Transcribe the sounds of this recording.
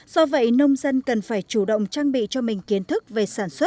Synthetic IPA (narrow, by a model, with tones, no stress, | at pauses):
z̥ɔ˧və̰˧˨jnə˧wŋ͡mzə˧nkə˨˩nfaː˧˩jt͡ɕu˧˩ɗə̰˧˨wŋ͡mt͡ɕaː˧ŋɓḭ˧˨t͡ɕɔ˧mï˨˩ŋ̟ki˨˦ənt̪ʰɨ˦˥k̚ve˨˩saː˧˩nswə˦˥t̚